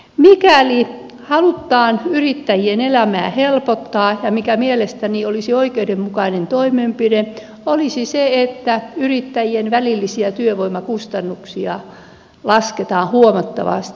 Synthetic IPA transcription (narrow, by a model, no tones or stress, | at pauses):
mikæli | hɑlut̪ːɑːnyrit̪ːæjienelæmæːhelpot̪ːɑːjɑmikæmielest̪æniolisioikeudemmukɑinent̪oimeːmpide | olisiseet̪ːæyrit̪ːæjienʋælilːisiæt̪yøʋoimɑkust̪ɑnːuksiɑ | lɑsket̪ɑ̃ːhuomɑt̪ːɑ̰ʋɑ̰st̪i̥